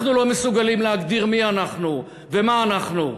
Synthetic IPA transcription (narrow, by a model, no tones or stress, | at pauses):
χnulo̞mesuɡalimleɦaɡd̪iʁmianaχnu | vemaːnaχnu